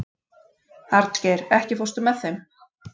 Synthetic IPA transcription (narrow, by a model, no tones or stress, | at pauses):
haɾt̪ceːjɾɛhcɪfowst̪ʏmːɛθθejm